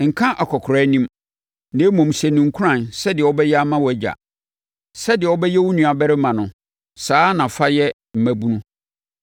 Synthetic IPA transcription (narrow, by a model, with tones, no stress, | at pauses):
ŋ̩˨kʰã˦ʔa˨kʰɔ˨kʰɾɛ˦nĩ˦m | neː˨˦mɔ̃˨m˨sɛ˨nʊ̃˨ŋ̩˨kʰu˦ɾã˦˨nsɛ˦dɪ˨ɛ˨wɔ˦bɛ˦jɛ˦a˦mã˦wɔ˨d͡ʑa̰˨ | sɛ˦dɪ˨ɛ˨ɔ˦bɛ˦jɛ˦wʊ˦nũ˨a˨bɛ˦ɾɪ˦mã˨nʊ̃˨ | saː˨˦nã˨fa˦jɛ˦ | m̩˨mæ̃˦bu˦nũ˦